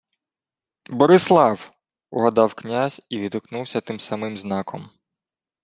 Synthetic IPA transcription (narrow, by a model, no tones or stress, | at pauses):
bɔɾɪslˠɑw | ʊɦɐd̪ɑwknʲazʲiʋʲid̪ʊknuwsʲɐt̪ɪmsɐmɪmznɑkʰɔm